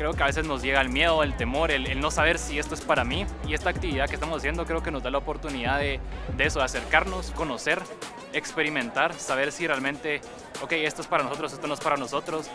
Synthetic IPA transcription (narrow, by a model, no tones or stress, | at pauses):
kɾe̞o̞keaβe̞s̬e̞zno̞zʝe̞ɣaelmje̞ðo̞elt̪e̞mo̞ɾe̞lelno̞saβ̞e̞ɾsie̞st̪o̞e̞spaɾamiie̞st̪aːk̚t̪iβiðaðkest̪amosas̬je̞nd̪okɾeo̞keno̞zd̪alaopo̞ɾt̪uniðaðe̞ðe̞e̞so̞ðease̞ɾkaɾno̞sko̞no̞se̞ɾ | ekspe̞ɾimẽnt̪aɾsaβ̞e̞ɾsire̞almẽ̞nt̪e̞ | oke̞jest̪oe̞spaɾanosot̪ɾosest̪onoe̞spaɾano̞so̞t̪ɾos